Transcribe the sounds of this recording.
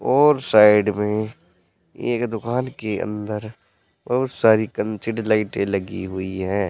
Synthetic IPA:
ɔːɾsaːɪɖmẽ | ḛːkd̪ʊkaːnkeə̰̃nd̪əɾ | bɐɦʊt̪saːɾikə̃nt͡ʃɪɖlaɪʈẽlɐɡiɦʊiɦɛ̃ː

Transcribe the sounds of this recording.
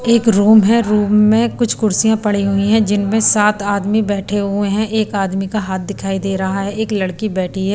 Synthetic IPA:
eːkɾuːmɦɛ̃ɾuːmːẽkʊt͡ʃʰkʊɾsijãpɐɽ̤iɦʊĩɦɛ̃d͡ʒɪnmẽsaːt̪aːd̪mibɛːʈʰeɦʊeɦɛ̃ʔeːkaːd̪mikaɦaːt̪̚d̪ɪkʰaːid̪eːɾɐɦaɦɛeːklɐɽkibɛːʈʰiɦɛː

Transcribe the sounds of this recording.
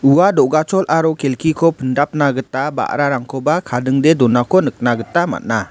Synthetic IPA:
uwadɔʔɡat͡ʃɔlʔaɾɔkelkʰikʰɔpʰəndap̚naɡətaba̰ʔɾaɾaŋkʰɔbakʰadɯŋdɛdɔnakʰɔnək̚naɡətama̰t̚na

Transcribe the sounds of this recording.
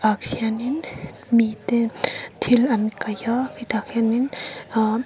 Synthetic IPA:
aksianin | mit̪ɛt̪ʰilankajɔfit̪ʰak̚sianin

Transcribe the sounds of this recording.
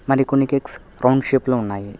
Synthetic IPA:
mɐɾikoɳːikeks | ɾʔɐwɳɖʃeːploːunːaːji

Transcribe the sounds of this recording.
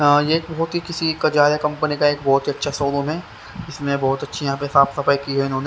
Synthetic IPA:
jeːk̚bɐɦʊt̪ɦikɪsikɐd͡ʒaːɾakɐ̃mpənikaeːk̚bɔːt̪ɦiɐtːʃʰasoːlõmɦɛ̃ː | ɪsmẽbɔːʊt̪ɐtːʃʰijɐɦãːp̬eɦsaːpsɐfajkiɦoɛeɪnɦõːne

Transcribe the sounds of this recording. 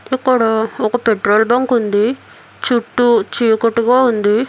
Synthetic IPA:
ikːuɽoɔkɐpeʈɾoːlbɐŋkund̪i | t͡ʃuʈːut͡ʃijukoʈːuɣaːund̪i

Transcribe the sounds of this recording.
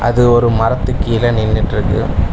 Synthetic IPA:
ʔɐ̰ðɯɔɾɯmɐɾɐt̪ːɯkːɯjɪlɐnɪnːɪʈːɾɯkːɯ̰

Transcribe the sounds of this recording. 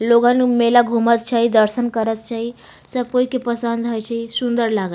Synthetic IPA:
loɡãnumelaɡʱumət̪̚t͡ʃʰaɦid̪əɾsənkəɾət̪̚t͡ʃaɦi | səbpojkepəsə̃nd̪ɦajt͡ʃaɦisund̪əɾlaɡa

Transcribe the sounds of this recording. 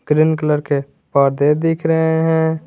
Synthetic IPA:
ɡ̥ɾɪnkələɾke | paːɾd̪ed̪ɪkʰɾəɦeɦɛ̃ː

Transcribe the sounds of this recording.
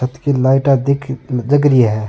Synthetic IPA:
ət̪kilaːɪʈad̪ɪkʰd͡ʒɐɡɾiɦɛː

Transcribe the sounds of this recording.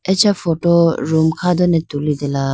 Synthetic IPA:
ɛt͡ʃʰafɔtɔɾumkʰad̪ɔnɛt̪ulid̪ɛla

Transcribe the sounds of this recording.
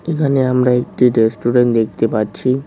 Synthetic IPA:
ekʰaneamɾaek̚ʈiɾesʈuɖeɳʈd̪ekʰt̪epatːt͡ɕʰi

